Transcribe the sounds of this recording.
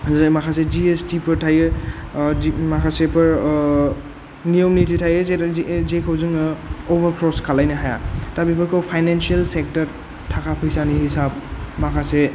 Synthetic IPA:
zamakʰased͡ʒiestipʰɯɾtʰajɯ | makʰasepʰɯɹ | niomnitʰitʰajɯzezekʰɯwzɯŋɔbəɾkʰɾɔskʰalajnɯɦaja̰tabipʰɯɾkʰowpʰajnensialsek̚təɾ | tʰakʰapʰɯjsanihisab̚makʰase

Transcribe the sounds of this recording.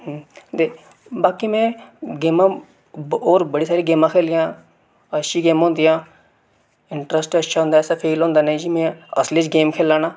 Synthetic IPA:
t̪eː | baːkiːmɛ̃ːɡeːmãː | oːɾbəɽiːsaːɾiːɡeːmãːkʰeːliːãː | ətːʃʰiːɡeːmɦõːnd̪iːãː | ɪɳʈɾəsʈətːʃʰaːɦʊ̃nd̪aːɛːsaːpʰeːlɦõːnd̪aːnẽːd͡ʒiːmɛ̃ːəsliːt͡ʃɡeːmkʰeːlaːnaː

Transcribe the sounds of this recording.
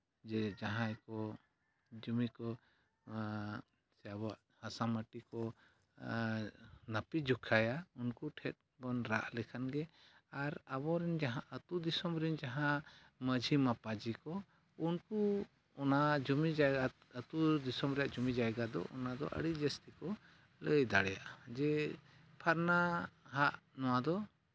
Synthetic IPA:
d͡ʒɛd͡ʒaɦãjkɔ | d͡ʒumikɔ | sɛabaʔ | hasaməʈikɔ | napid͡ʒukʰajaunkuʈʰɛt̪̚ | bɔnɾa̰ʔlɛkʰanɡɛaɾabɔɾɛnd͡ʒaɦãʔət̪ud̪isɔmɾind͡ʒaɦã | məd͡ʒʱimapad͡ʒikɔ | unku | ɔnad͡ʒumid͡ʒaa | ət̪ud̪isɔmɾɛjaʔd͡ʒumid͡ʒajɡad̪ɔ̰ʔɔ̰nad̪ɔ̰ʔə̰ɽid͡ʒəst̪ikɔ | ləjd̪aɽɛja̰ʔd͡ʒɛ | pʰaɾnaɦaʔnɔw̃ad̪ɔ

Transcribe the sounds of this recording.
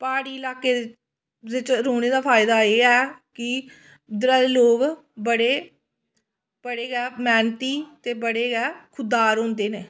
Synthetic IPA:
paːɽiːɪlaːkːeː | ʋɪt͡ʃɾoːɽ̃eːd̪aːpʰaːɪd̪aːeːɛːkɪ | d̪ɾaːd̪eːloːɡ | bəɽeː | pəɽeːɡɛːmɛːnt̪iːt̪eːbəɽeːɡɛːkʰʊd̪ːaːɾɦõːnd̪eːneː

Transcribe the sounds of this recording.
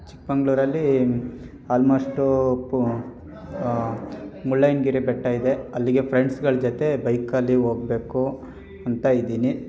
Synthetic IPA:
t͡ʃi̥k̚bɐŋɡɭuːɾɐlːi | aːlmo̞ːʂʈu | mulːɐjnɡiːɾebɛʈːajid̪e̞ɐlːiɡe̞pʰɾeɳɖsɡɐɭɐd͡ʒɔt̪e̞bɐjkɐlːiɦoːɡbe̞ːku | ɐnt̪ɐid̪iːni

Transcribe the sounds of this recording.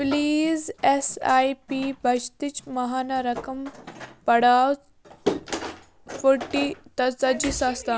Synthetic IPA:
pliːzesaːjpibʱɐd͡ʒt̪it͡ʃmɐɦaːnɐɾɐkɐmpɐɽaːw | fuʈit̪ɐt͡sɐd͡ʒisaːst̪a

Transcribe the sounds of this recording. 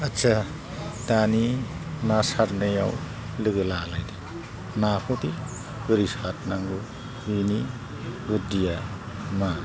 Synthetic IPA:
asa | d̥aninasaɾnɯja̰w | lɯɡɯlalajdi | napʰɔti | ɡ̥ɯɾisat̚naŋɡɯ | ini | ɡudija | ma

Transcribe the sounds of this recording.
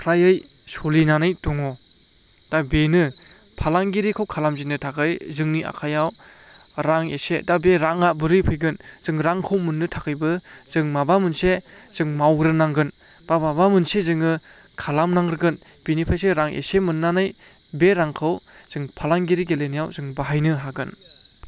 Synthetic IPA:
kʰɾajɯjsolinanɯjtɔŋɔ | d̥abenɯ | pʰalaŋɡiɾikʰɯwkʰalamzinɯtʰakɯjzɯŋniʔa̰kʰajaw | ɾaŋesedabeɾaŋabɯɾɯpʰɯjɡɯnz̥ɯŋɾaŋkʰɯwmunːɯtʰakɯjbɯz̥ɯŋmabamɯnsez̥ɯŋmawɾɯnaŋɡɯn | b̥ababamɯnsezɯŋɯ | kʰalamnaŋɾɯɡɯn | b̥enipʰajseɾaŋʔḛsemɯnːanɯj | beɾaŋkʰɯwz̥ɯŋpʰalaŋɡiɾiɡelenijawzɯŋbaɦajnɯɦaɡɯn

